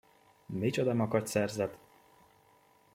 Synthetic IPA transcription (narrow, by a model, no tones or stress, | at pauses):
mit͡ʃod̪ɒmɒkɒt̪ʲsɛrzɛt̪